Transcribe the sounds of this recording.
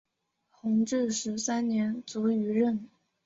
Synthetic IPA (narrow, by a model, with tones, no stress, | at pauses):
xʊ˧˥ŋʈ͡ʂɻ̩˥˩ʂɻ̩˧˥sa˥nnjɛ˧˥nt͡su˧˥y˧˥ɻə˥˩n